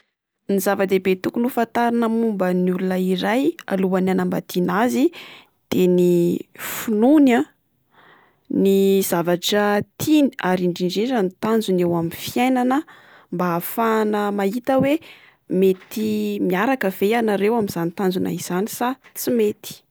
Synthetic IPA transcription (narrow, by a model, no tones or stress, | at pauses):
nizavəd̪ebet̪ukulufant̪aɾinəmumbəniulunəiɾaja̰luananamba̰t̪inazi | d̪̥enifununa | niz̥avaʈ͡ʂət̪ʰiniaɾiɳɖ͡ʐiɳɖ͡ʐiʈ͡ʂanit̪and͡zunewamifiajnanə | mbaːfanəmaɦit̪əwe | met̪imiaɾakəv̥ejanaɾewamiz̥anit̪and͡zuna̰iz̥anisat͡simet̪i̥